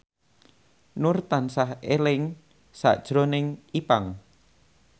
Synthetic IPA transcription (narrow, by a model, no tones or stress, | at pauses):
nʊrt̪ansahelɪŋ | sa̰ʔd̥ʒ̥ɾonɪŋipaŋ